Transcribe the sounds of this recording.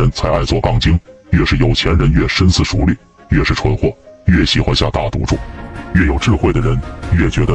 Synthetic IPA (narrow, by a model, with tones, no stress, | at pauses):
ə˧˥nt͡sʰa˧˥ɪʔa˥˧ɪt͡swɔ˥˧˩kɑ˥˩ŋt͡ɕi˥ŋɥɛ˥˧ʂɻ̩˥˩jo˨˩ʊt͡ɕʰjɛ˧˥nɻə˧˥nɥɛ˥˩ʂə˥nsɹ̩˥˩ʂu˧˥li˥˩ | ɥɛ˥˧ʂɻ̩˥˩ʈ͡ʂʰwə˧˥nxwɔ˥˩ɥɛ˥˩ɕi˨˩xwa˥˧nɕja˥˧t̪a˥˩t̪ṵ˧˥ʈ͡ʂṵ˥˩ɥɛ˥˩jo˨˩ʊʈ͡ʂɻ̩˥˧xwe˥˩ɪd̪ə˩ɻə˧˥nɥɛ˥˩t͡ɕɥɛ˧˥d̪ə˧